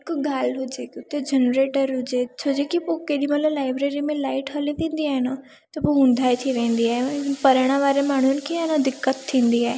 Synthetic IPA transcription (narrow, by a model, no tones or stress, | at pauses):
kɡʱaːlɦʊd͡ʑekʊt̪ːed͡ʑenɾeːʈəɾɦʊd͡ʑet͡ʃʰod͡ʑekipokeɗ̪imɐt̪lalaːɪbɾeːɾimẽlaːɪʈɦɐlit̪ʰĩːnd̪iaːɦɪna | t̪ɐpoɦũnd̪ʱaːet̪ʰiʋẽːn̆d̪iaːɦepɐɾəɽ̃ãʋaːɾemaːɽ̤̃ʊnɪkʰiaːɦnãd̪ɪkːət̪ʰːĩːn̆d̪iaːɦe